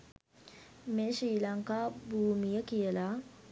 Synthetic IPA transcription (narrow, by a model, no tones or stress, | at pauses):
meːʃiːlaŋkaːbuːmijəkijəla